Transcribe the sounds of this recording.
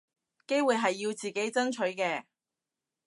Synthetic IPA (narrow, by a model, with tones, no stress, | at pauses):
ke˥jwuː˨˩jɦɐ˨jːiː˧wt͡siː˨˩ke˨˥jt͡sɐ˥nt͡ʃʰɵ˨˥ɥkɛː˧